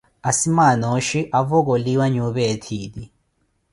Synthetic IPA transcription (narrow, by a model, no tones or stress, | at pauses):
asimanoʃiʔavɔk̬oliwaɲuβetʰiːdi